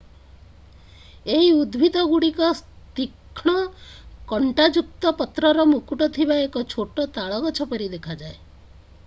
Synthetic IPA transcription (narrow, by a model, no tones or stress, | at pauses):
eɦiud̪bʱid̪ʱɔɡuɽikɔs | t̪ikʰɽ̃ɔkɔɳʈad͡ʒuk̚t̪ɔpɔt̪ɾɔɾɔmukuʈɔt̪ʰibaekɔt͡ʃʰoʈɔt̪aɭɔɡɔt͡ʃʰɔpɔɾid̪ekʰad͡ʒae